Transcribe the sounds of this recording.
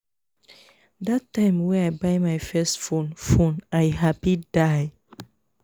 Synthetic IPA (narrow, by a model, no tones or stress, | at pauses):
datːãɪ̃mwɛ̃najbaɪmajfɛstfõnfõnaɪɦapidaj